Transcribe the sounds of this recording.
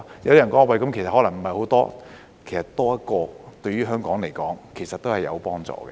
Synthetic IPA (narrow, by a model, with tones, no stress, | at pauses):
jɐ˨˦wt̪iː˥ɐ˨˩nkɔː˨˥ŋɔ˨˧wkɐ˨˦mkʰe˨˩sɐ˨thɔː˨˥lɐ˨˩ŋm̩˨˩hɐ˨jho˨˥wt̪ɔ̰ː˥ | kʰe˨˩jsɐ˨˩tt̪ɔː˥jɐ˥kɔː˧t̪ɵ˧ɥyː˥ɦœː˥ŋkɔː˨˥ŋle˨˩jkɔː˨˥ŋkʰe˨˩jsɐ˨t̚t̪o˥hɐ˨jɐ̰˨˧wpɔː˥ŋt͡sɔ̰ː˨˧kɛ̰˧